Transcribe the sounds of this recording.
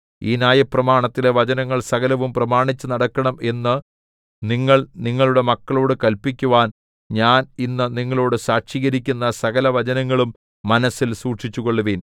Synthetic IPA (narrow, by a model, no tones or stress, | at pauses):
iːnaːjɐprɐmaːɳɐt̪ːile̞ʋɐd͡ʑɐnɐŋːɐɭsɐɣɐlɐʋumprɐmaːɳit͡ɕːunɐɽɐkːɐɳɐme̞nːɨ | niŋːɐɭniŋːɐɭuɽe̞mɐkːɐɭo̞ːɽɨkɐlpikʲːuʋaːn | ɲaːninːɨniŋːɐɭo̞ːɽɨsaːkʂiːɣɐɾikʲːunːɐsɐɣɐlɐʋɐd͡ʑɐnɐŋːɐɭumː | ɐnɐsːilsuːʈʂit͡ɕːuɣo̞ɭːuʋiːn